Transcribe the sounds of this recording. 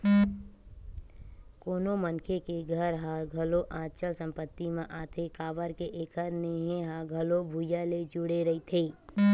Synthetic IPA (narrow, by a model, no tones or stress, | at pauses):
koːnomənkʰekeɡʱəɾɦãɡʱɐloʔãːtːʃəsə̃mpət̪ːimẽʔaːt̪ʰekaːʋəɾkeʔeːkəɾneɦeɦãɡʱɐlobʱuːjaled͡ʒʊɽeɾɐit̪ʰeː